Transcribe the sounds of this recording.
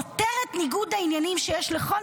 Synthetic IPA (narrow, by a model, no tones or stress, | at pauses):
oteʁetniɡud̪ainjanimʃejeʃleχo